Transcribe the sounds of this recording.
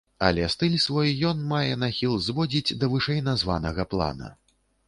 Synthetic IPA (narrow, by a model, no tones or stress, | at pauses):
ɐ̰lʲɛst̪ɨlʲsvɔjjɔnmajɛnaxʲilˠzvɔd͡zʲid͡zʲd̪ɐvɨʂɛjnazva̰nɐɣɐplˠa̰nɐ̰